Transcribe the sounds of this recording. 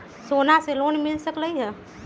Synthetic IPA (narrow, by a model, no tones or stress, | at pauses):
soːnaseloːnmɪlsəkləiɦɛ